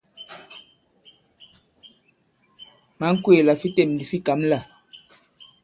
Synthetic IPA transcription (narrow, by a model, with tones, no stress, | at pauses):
ma˨˦ŋ̩˦kwe˦˨la˨fi˦te˦˨m˨di˨fi˦ka˨˦mla˦˨